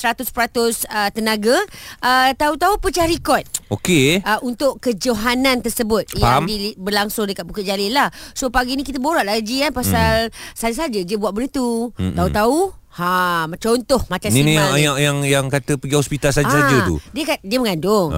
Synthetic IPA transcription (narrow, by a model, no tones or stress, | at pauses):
səɾat̪ʊspəɾat̪ʊsət̪ənãɡaʔət̪aut̪aupət͡ʃahɾikɔt̪̚okeəunt̪ʊʔkəd͡ʒoɦanãnt̪ərsəbʊt̪̚jamdiibərlaŋsʊŋdəkat̪̚bukəd͡ʒalɪlahsopaɡinĩkit̪əboɾaʔlaɡikanpasalsad͡ʒs̬ad͡ʒədiəbuat̪ʔ̚bəɾit̪ut̪aut̪au | hamt͡ʃont̪ʊhmat͡ʃãsniinijaajaŋjaŋkat̪əpəɡiɔspit̪alsad͡ʒəad͡ʒət̪ṵdiəkadiəməŋandʊŋ